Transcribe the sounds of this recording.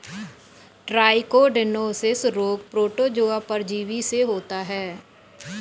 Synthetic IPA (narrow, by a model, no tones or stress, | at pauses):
ʈɾaːɪkoːɖɪnoːsɪsɾoːɡ̚pɾoːʈoːd͡ʒoːaːpəɾd͡ʒiːʋiseɦoːt̪aːɦɛː